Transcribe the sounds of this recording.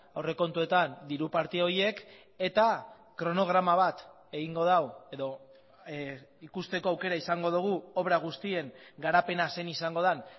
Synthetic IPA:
awre̞ko̞nt̪ue̞t̪and̪iɾupaɾt̪io̞je̞k | e̞t̪a | kɾo̞no̞ɣ̞ɾamaβ̞at̪ | e̞ɣ̞iŋɡo̞ðawe̞ðo̞ | ikust̪e̞ko̞awke̞ɾaisaŋɡo̞ð̞uɣ̞uo̞βɾaɣ̞ust̪ie̞ŋɡaɾape̞nase̞nisaŋɡo̞ð̞an

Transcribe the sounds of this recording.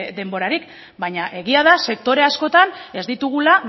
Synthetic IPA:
d̪e̞mbo̞ɾaɾik | bajɲaʔe̞ɣiaðase̞k̚t̪o̞ɾe̞asko̞t̪ane̞zd̪it̪uɣ̞ula

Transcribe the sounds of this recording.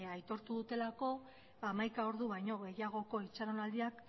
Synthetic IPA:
ajt̪o̞ɾt̪uðut̪e̞lako̞ | amajkao̞ɾðuβajɲo̞ɣe̞jaɣ̞o̞ko̞it͡ʃaɾonald̪iak

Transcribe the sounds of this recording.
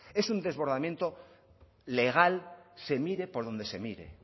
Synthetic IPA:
e̞sund̪e̞zβo̞ɾðamjẽ̞nt̪o | le̞ɣ̞alse̞miɾe̞po̞ɾðo̞nd̪e̞se̞miɾe̞̰

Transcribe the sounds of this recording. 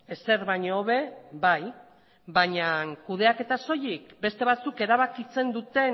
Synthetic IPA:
ese̞ɾβaɲoːβe̞baj | baɲaŋkuð̞e̞ake̞t̪aso̞jikbe̞st̪e̞β̞at͡suke̞ɾaβakit͡se̞nd̪ut̪e̞

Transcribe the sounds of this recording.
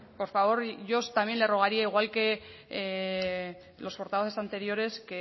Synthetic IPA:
po̞ɾfaβo̞ɾʝo̞st̪amje̞nle̞ro̞ɣ̞aɾiaiɣwalke̞ | lo̞spo̞ɾt̪aβoθe̞sant̪e̞ɾjo̞ɾe̞ske

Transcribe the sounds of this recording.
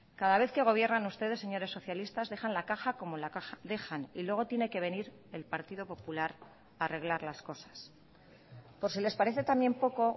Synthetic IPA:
kaðaβe̞θke̞ɣ̞o̞βje̞rnanust̪e̞ðe̞sːe̞ɲo̞ɾe̞sːo̞θjalist̪azðe̞xanlakaxako̞mo̞laaðe̞xanilwe̞ɣ̞o̞t̪je̞ne̞ke̞β̞e̞niɾ | e̞lpaɾt̪iðo̞po̞pulaɾ | are̞ɣ̞laɾlasko̞sḁs | po̞ɾsile̞spaɾe̞θe̞t̪ambje̞mpo̞ko̞

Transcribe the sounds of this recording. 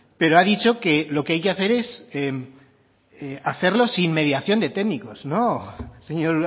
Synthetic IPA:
pe̞ɾoaðit͡ʃo̞ke̞lo̞keajke̞aθe̞ɾe̞sem | eaθe̞ɾlo̞sinme̞ð̞jaθjo̞nd̪e̞t̪emiko̞snoseɲoɾ

